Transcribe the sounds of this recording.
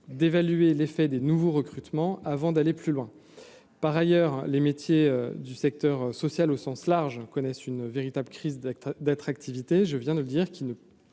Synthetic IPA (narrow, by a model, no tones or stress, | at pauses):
d̪evalyelefɛd̪enuvoʁəkχyt̪mɑ̃avɑ̃d̪aleplylwɛ̃ | paʁajœʁlemet̪jeød̪ysɛk̚t̪œʁøsɔsjalosɑ̃slaʁʒkɔnɛsynveʁit̪abləkχizd̪at̪χak̚t̪ʰivit̪eʒəvjɛ̃d̪ələd̪iʁkʲilnə